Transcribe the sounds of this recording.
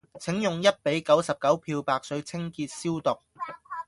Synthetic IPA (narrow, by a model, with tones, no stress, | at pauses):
t͡sʰɪ˨˥ŋjʊ˨˩ŋjɐ˥t̚pe˨˥jkɐ˨˥wsɐ˨p̚kɐ˨˥wpʰiː˧wpaː˧k̚sɵ˨˧˥ɥt͡sʰɪ˥ŋkiː˧t̚siː˥wt̪ʊ˨k̚